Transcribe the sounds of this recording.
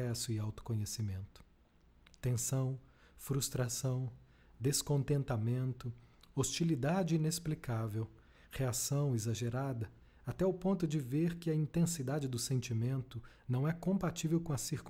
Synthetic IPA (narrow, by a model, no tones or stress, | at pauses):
ɛsʊɪawt̪ʊ̥kõɲesimẽnt̪ʊ̥ | t̪ẽsɐ̃w̃ | fɾust̪ɾasɐ̃w̃ | d̪eskõnt̪ẽnt̪amẽnt̪ʊost͡ʃilid̪ad͡ʒɪinesplikavew | heasɐ̃w̃ezaʒeɾad̪ɐ | at̪ɛwpõnt̪ʊd͡ʒɪveɾkɪɐĩnt̪ẽsid̪ad͡ʒɪd̪ʊsẽnt͡ʃimẽnt̪ʊnɐ̃w̃ɛkõpat͡ʃivewkõɐsiɾk